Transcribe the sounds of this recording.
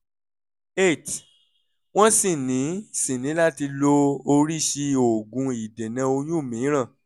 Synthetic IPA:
e˦˨t | w̃ɔ̃˦sĩ˦˨nĩ˨˦sĩ˨nĩ˨˦la˦ti˧lo˧o˧ɾi˦ʃi˧o˨ɡũ˧i˨de˨nɛ̃˧o˧jũ˦˨mĩ˨˦ɾ̃ã˦˨

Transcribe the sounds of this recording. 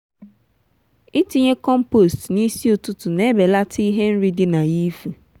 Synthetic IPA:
i˦ti˦ɲe˦kɔ˦m̩˦po˨stni˦si˦o˨tu˦tʊ˨ne˦be˨la˦tʰi˦i˦ɦe˦n̩˦ɾi˦dɪ˦na˨ji˦fu˨

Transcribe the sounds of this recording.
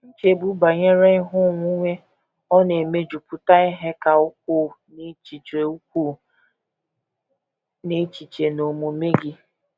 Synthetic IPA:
n̩˦t͡ʃe˨bu˨˦ba˨ɲe˦ɾe˦ɪ˦ɦʊ˦˨ŋʷu˦ŋʷe˦ | ɔ˦ne˨me˦d͡ʒu˨pʊ˦ta˦ɪ˦ɦe˦ka˨ʊ˦k̚ʷʊ˦ne˦t͡ʃi˨t͡ʃe˨u˦kʷu˦˨ | ne˦t͡ʃi˨t͡ʃe˨no˨mu˨me˦ɡɪ˦

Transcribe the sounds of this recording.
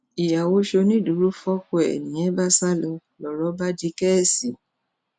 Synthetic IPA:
i˨ja˨wo˧˦ʃo˧nĩ˦˨du˨˦ɾu˦fɔ˦ko˧˦ɛ̰˨nĩ˨ɛ̃˨˦ba˦sa˦lɔ˧lɔ˨ɾɔ˦ba˦di˧˦kɛ˦˨si˨

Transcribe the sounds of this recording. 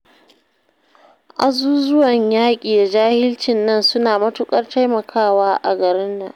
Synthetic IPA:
ʔa˨zuː˦zʊ˦wɐ˨ɲjaː˦kʲʼiː˨da˨d͡ʒaː˦hɪ˦lt͡ʃɪ˨nːɐ˦˨nsʊ˦naː˨mɐ˦tʊ˦kʼɐ˦rta˦jmɐ˨kʰaː˦waː˦ʔa̰˨ɡɐ˨ɾɪ˦nːa˨ʔ

